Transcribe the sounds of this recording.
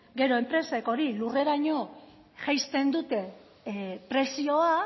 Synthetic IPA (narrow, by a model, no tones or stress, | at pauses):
ɡe̞ɾo̞e̞mpɾe̞se̞ko̞ɾilure̞ɾaɲo̞ | ʝajst̪e̞nd̪ut̪e̞ | pɾe̞sio̞a